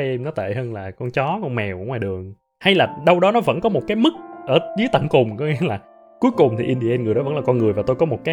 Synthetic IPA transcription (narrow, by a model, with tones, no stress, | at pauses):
jʔɛ˧mnɔ˨˦t̪ḛ˧˨həː˧nlaː˨˩kɔ˧nt͡ɕɔ˨˦kɔ˧nmɛ˨˩wʔʊ˧˥ŋ͡mwaː˨˩ɗɨ˨˩əŋ | ha˧jlaː˨˩ɗə˧wɗɔ˨˦nɔ˨˦və̰˧˥nkɔ˨˦mo˨˩t̚kaː˨˦jmɨ˦˥k̚ʔəː˧˩zɨ˨˦ət̪ə̰˧˨ŋkʊ˨˩ŋ͡mkɔ˨˦ŋɛ˧˦laː˨˩ | ku˨˦jkʊ˨˩ŋ͡mt̪ʰi˨˩ʔi˧nɗi˧ʔɛ˧nŋɨ˨˩əjɗɔ˨˦və˧˥ŋlaː˨˩kɔ˧nŋɨ˨˩əjvaː˨˩t̪o˧jkɔ˨˦mo˨˩t̚kaː˨˦